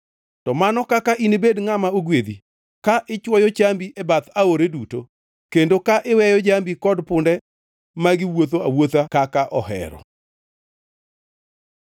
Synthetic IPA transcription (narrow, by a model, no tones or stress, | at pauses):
tɔmanɔkakaʔinebedŋamaoɡwed̪i | kaʔɪt͡ʃwɔjɔt͡ʃambiʔɛbat̪aoɾeduto | kendokaʔɪwɛjɔd͡ʒambikɔdpʊndɛ | maɡɪwot̪̬oawot̪akakaʔɔɦɛ̰ɾɔ̰